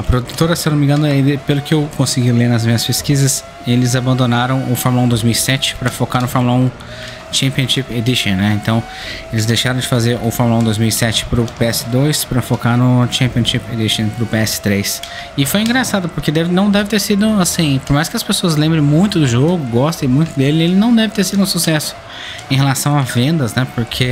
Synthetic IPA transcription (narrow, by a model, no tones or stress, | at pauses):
ɐpɾod̪ut̪oɾɐsewnomĩŋɡɐ̃nʊelpelʊkɪewkõsiɡileɾnɐzmĩɲɐspeskizɐs | elɪzabɐ̃nd̪onaɾɐ̃w̃ʊfɔɾmulɐ̃d̪ojzmiwisɛt͡ʃɪ̥pɾɐfokaɾnʊfɔɾmulũ | t͡ʃẽmpiõʃiped̪iʃõnɛẽnt̪ɐ̃w̃ | elɪzd̪ejʃaɾɐ̃w̃d͡ʒɪfazeɾʔʊfɔɾmulɐ̃d̪ojzmiwisɛt͡ʃɪ̥pɾʊpeɛsɪd̪ojspɾɐfokanʊt͡ʃẽmpiõʃiped̪iʃõpɾʊpeɛsɪ̥t̪ɾejs | ɪfojĩɡɾasad̪ʊpoɾked̪ɛvɪnɐ̃w̃d̪ɛvɪt̪eɾsid̪ʊasĩpoɾmajskɪɐspesoɐzlẽmbɾẽj̃mũj̃t̪ʊd̪ʊʒoɡʊɡɔst̪ẽj̃mũj̃t̪ʊd̪elɪelɪnɐ̃w̃d̪ɛvɪt̪eɾsid̪ʊũsusɛsʊ̥ | ẽɦelasɐ̃w̃avẽnd̪ɐznɛpoɾkʰe